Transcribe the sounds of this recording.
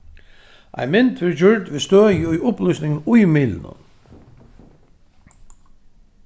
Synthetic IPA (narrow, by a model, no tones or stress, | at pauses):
ʔæ̰ɪmɪnt̪ʰʋɪɹd͡ʒʏɹd̪ʋɪst̪øːjəʊjʔʊplʏsnɪŋənʊjmɪːlnə̰n